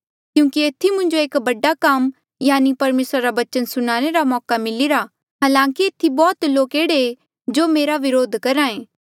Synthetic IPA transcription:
kjũːkieːt̪ʰːimʊ̃ɲd͡ʒoeːkbɐɖːakam | jaːnipɐɾmeːsɾaɾaʋɐt͡ʃənsʊnaːneɾamɔːkamɪliɾa | ɦaːlãːŋkieːt̪ʰibɔːt̪loːkeːɽee | d͡ʒoːmeːɾaʋɪɾoːd̪ʱkɐɾaẽː

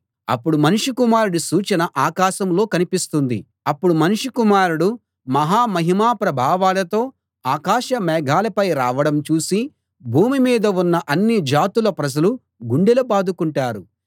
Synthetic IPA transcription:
ɐ̰pːuɽumɐnuʂikumaːɾuɽusuːt͡ʃɐnɐʔaːkaːʃɐmlo̞ːkɐnipist̪und̪ḭ | ɐpːuɽumɐnuʂikumaːɾuɽu | mɐɦaːmɐɦimaːpɾɐbʱaːʋaːlɐt̪o̞ː | aːkaːʃɐmɛːɡʱaːlɐpɐjɾaːʋɐɽɐmt͡ʃuːsi | bʱuːmimiːd̪ɐunːɐʔɐnːid͡ʒaːt̪ulɐpɾɐd͡ʒɐlu | ɡuɳɖelupaːd̪ukuɳʈaːɾu

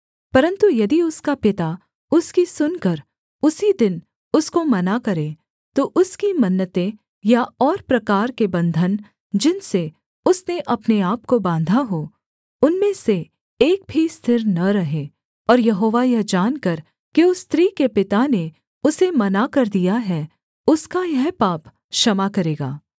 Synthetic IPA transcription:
pɐɾə̃nt̪ujɐd̪iʊskapɪt̪a | ʊskisʊnkɐɾ | ʊsid̪ɪn | ʊskomɐnakɐɾẽ | t̪oʔʊskimɐnːət̪ẽ | jaɔːɾpɾɐkaːɾkebɐ̃nd̪ʱən | d͡ʒɪnse | ʊsneʔɐpneaːpkobãːnd̪ʱaɦo | ʊnmẽse | eːk̚bʱist̪ʰɪɾnɐɾɐɦe | ɔːɾjɐɦoːʋajɛɦd͡ʒaːnkɐɾ | kiʊst̪ɾiːkepɪt̪ane | ʊsemɐnakɐɾd̪ijaɦɛ | ʊskajɛɦpaːp | ʃɐmakɐɾeːɡaː

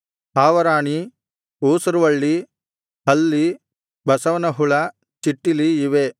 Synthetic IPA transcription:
haːʋɐɾaːɳi | uːsɐɾuʋɐɭːi | hɐlːi | bɐsɐʋɐnɐɦuɭɐ | t͡ʃiʈːiliːʋe

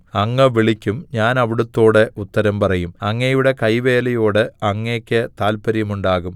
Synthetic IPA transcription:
ɐŋːɐʋiɭikʲːumɲaːnɐʋiɽɐt̪ːo̞ːɽeut̪ːɐɾɐmpɐrɐjumɐŋːɐɐjuɽe̞kɐjʋe̞ːlɐjo̞ːɽɨɐŋːeːkʲːɨt̪aːlpɐɾjɐmuɳɖaːɣum

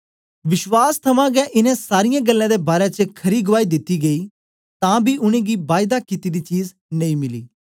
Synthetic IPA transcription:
ʋɪʃwaːst̪ʰɐmãɡɛʔɪnɛ̃saːɾɪjãːɡəlːãːd̪ebaːɾet͡ʃəkʰɐɾiːɡʊʋaːid̪ɪt̪ːiɡɐiː | t̪ãːbʱiʔʊñẽːɡibaːɪd̪akɪt̪id̪it͡ʃiːz | nɐĩmɪlḭː

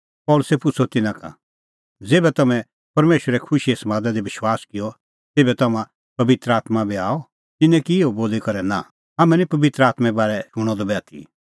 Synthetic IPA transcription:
pɔːlʊsɛpʊt͡sʰɔt̪ɪnãka̰ | d͡zeːbɛt̪ɐmɛ̃ | pɐɾmeːʃəɾɛkʰʊʃiesɐmaːd̪ad̪iʋɪʃwaːskɪjɔ | t̪eːbɛt̪ɐmã | pɐbɪt̪ɾəaːt̪mabiaːɔ | t̪ɪnːɛ̃kiɪoboːlikɐɾɛnã̰ | ɦɐmɛ̃nĩpɐbɪt̪ɾəaːt̪mɛbaːɾɛʊɽ̃ɔd̪ɔbɛːt̪ʰḭ

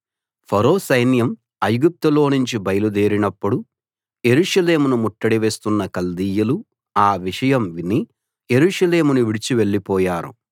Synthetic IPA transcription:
pʰɐɾoːsɐjnjɐm | ɐjɡup̚t̪ulo̞ːnuɲt͡ʃibɐjɐlud̪eːɾinɐpːuɽu | je̞ɾuːʂɐle̞ːmunumuʈːɐɽiʋe̞ːst̪unːɐkɐld̪iːjɐlu | aːʋiʂɐjɐmʋini | je̞ɾuːʂɐleːmunuʋiɽit͡ʃiʋe̞ɭːipɔːjaːɾṵ

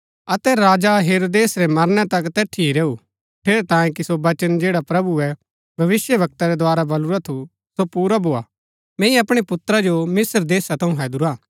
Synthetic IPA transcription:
ɐt̪ɛɾaːd͡ʒaɦeːɾoːd̪eːsɾɛmɐɾnɛt̪ɐkt̪ɛːʈʰiiɾeːu | ʈʰeːɾet̪ãːjẽkisobɐt͡ʃənd͡ʒeːɽapɾɐbuɛ | bʱɐʋɪsjəʋɐk̚t̪aɾɛd̪waːɾabɐluɾat̪ʰu | sopuːɾabʱoːa | mɛ̃ːĩɐpɽ̃epʊt̪ɾad͡ʒomɪsəɾd̪eːsat̪ʰɐ̃ũɦɛːd̪uɾaː

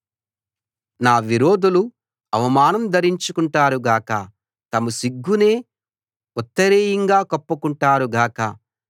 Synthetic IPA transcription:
naːʋiɾoːd̪ulu | ɐʋɐmaːnɐmd̪ɐɾiɲt͡ʃukuɳʈaːɾuɡaːkɐ | t̪ɐmɐsiɡːune̞ː | ɔt̪ːɐɾeːjɐŋɡaːkɐpːukuɳʈaːɾuɡaːkɐ

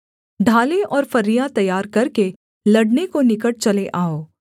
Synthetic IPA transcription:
ɖʱaːleʔɔːɾfɐɾːijat̪ɐjaːɾkɐɾke | lɐɽnekonɪkəʈ̚t͡ʃɐleʔaːoː

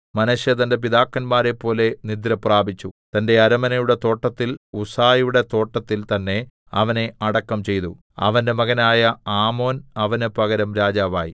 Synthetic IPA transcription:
mɐnɐɕjɐt̪ɐnde̞p̬id̪aːkːɐnmaːɾe̞pːo̞ːle̞nid̪ɾɐpraːbʱit͡ɕːut̪ɐnde̞ɐɾɐmɐnɐjuɽe̞t̪o̞ːʈːɐt̪ːilusaːjuɽe̞t̪o̞ːʈːɐt̪ːilt̪ɐnːe̞ | ɐʋɐne̞ɐɽɐkːɐmt͡ɕe̞jt̪u | ɐ̰ʋɐnde̞mɐɣɐnaːjɐaːmo̞ːnɐʋɐnɨpɐɣɐɾɐmɾaːd͡ʑaːʋa̰ːji

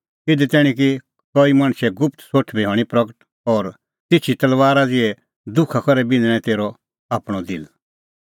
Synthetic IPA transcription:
ɪd̪ɛt̪ɛːɽ̃ĩk̬i | kɔimɐ̃ɽ̃ʃɛɡʊp̚t̪soʈʰbɛɦɔːɽ̃ipɾɐkəʈ | ɔːɾ | t̪ɪt͡ʃʰit̪ɐlʋaːɾad͡zɪɛ | d̪ʊkʰakɐɾɛbɪ̃nd̪ɽ̃ɛ̃t̪eːɾɔ | aːpɽ̃ɔd̪ɪ̰l

